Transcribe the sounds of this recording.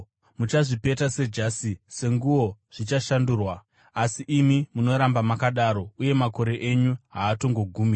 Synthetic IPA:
mut͡ʃaʐipe̞tase̞d͡ʒasise̞ŋɡuʋo̞ʐ̥it͡ʃaʃanduːrwa | asiʔimimuno̞ɾambamakaɗaɾo̞uje̞mako̞ɾe̞ʔeɲuɦaːto̞ŋɡo̞ɡʱuːmira

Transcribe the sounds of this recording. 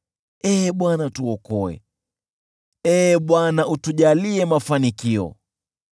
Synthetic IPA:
ɛːɓwanatuɔkɔɛ̰ | ɛɓwanaʔutuʄaliɛmafanikiɔ̰

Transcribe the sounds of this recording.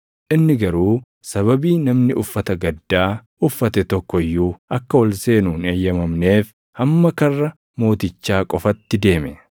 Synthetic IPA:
ʔɪnːɪɡɐɾuː | sɐβɐbiːnɐmnɪʔʊfːɐt̪ɐɡɐd̪ːaːʔʊfːɐt̪ɛt̪ɔkːɔɪjːuːʔɐkːɐwɔlse̞ːnuːneːjːɐmɐmne̞ːf | hɐmːɐkɐrːɐ | mo̞ːt̪ɪt͡ʃːaːkʼɔfɐt̪ːɪd̪e̞ːmɛ

